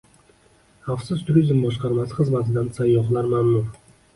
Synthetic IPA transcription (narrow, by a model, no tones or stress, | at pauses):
ɑfsɪzt̪ʰʊɾʲizmbɒʃqɑɾmɑsʁəzmɑzd̪ɑnt̪sɑjɔχlˠɑɾmaːmnuɾ